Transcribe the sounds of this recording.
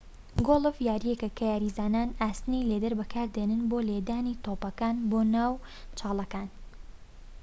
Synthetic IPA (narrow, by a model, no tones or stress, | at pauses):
ɡoːlˠɨfjaːɾijekɐkʰɐjaːɾizaːnaːnaːst̪ɨnejleːd̪ɐɾbɐkʰaːɾd̪eːnɨnboːleːd̪aːnit̪oːpɐkaːnboːnaːwt͡ʃʰɑːlˠɐkaːn